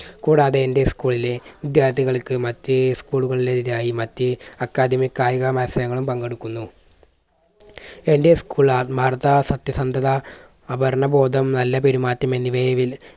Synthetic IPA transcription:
kuːɽaːðeːnde̞skuːɭile̞ʋid̪jaːɾt̪ʰiɣɐɭkɨmɐtːɨskuːɭuɣɐɭileðiɾaːjimɐtːɨɐkːaːd̪ʱimikːaːjɐɣɐmɐnɐsɐɾɐŋːɐɭumpɐŋɡeɽukːunːu | e̞nde̞skuːɭabʱaːrɐt̪ːɐsɐt̪jɐsɐnd̪ʱɐðɐː | bɐɾɳɐbo̞ːd̪ʱɐmnɐlːɐpe̞ɾumaːtːɐme̞nːiʋejɐʋil

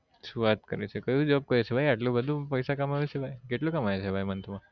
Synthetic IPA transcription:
suʋat̪kəɾet͡ʃʰekəjũd͡ʒəʋab̚kəɾet͡ʃʰebʱajaʈlõbəd̪ʱõpəjsakamaʋet͡ʃʰebʱajkeʈlõkamaʋet͡ʃʰebʱajmənt̪ʰəma

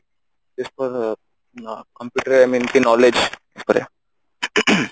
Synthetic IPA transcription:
tɪspəɾ | kə̃mpjuːʈəɾajmĩnkinɔled͡ʒɪspəɾḛ

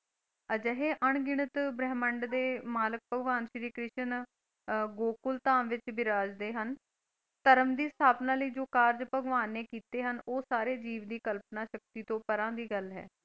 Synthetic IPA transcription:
əd͡ʒəɦeːʔəɳɡɪɳət̪bɾɛːməɳɖd̪eːmaːlək̚pəɡʋaːnʃɾiːkɾɪʃən | ɡoːkʊlt̪aːmʋɪt͡ʃbɪɾaːd͡ʒd̪eːɦən | t̪əɾəmd̪iːst̪ʰaːpnãːləiːd͡ʒoːkaːɾd͡ʒpəɡʋaːnːeːkiːt̪eːɦənoːsaːɾeːd͡ʒiːʋd̪iːkəlpnaːʃək̚t̪iːt̪õːpəɾãːd̪iːɡəlɦɛ̰ː

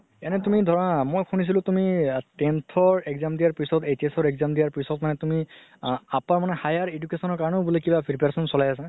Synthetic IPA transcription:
ɛnɛtumidʱɔɹanamojkʰunis̬ilʊ̃tumitentʰɔɹɛɡzamdijaɹpɹisɔtetesɔɹɛɡzamdijaɹpɹisɔtmanɛtumi | apaɹmanɛhajaɹedukesɔnɔɹkaɹɔnɔbulekibapʰiɹpeɹsɔnsɔlajasa

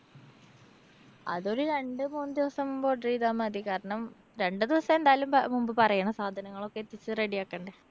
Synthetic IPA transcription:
ɐ̰ðo̞ɾuɾe̞ɳɖɨmuːnːɨd̪iʋɐsɐmumbo̞ːɖriːðaːmɐd̪ikaːɾɐɳɐm | ɾe̞ɳɖɨd̪iʋɐsɐme̞nd̪aːjlummumbɨpɐrɐjaːɳɐmsaːd̪ʱɐnɐŋːɐɭokːet̪ːit͡ɕːɨreɽijaːkːɐːɳɖe

